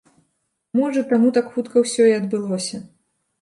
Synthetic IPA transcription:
mɔʐɐt̪amut̪akxut̪kɐwsʲɔiɐd̪bɨlˠɔsʲɐ

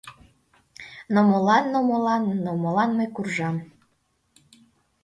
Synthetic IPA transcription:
nomolɑnːomolɑnnomolɑnməjkurʒɑm

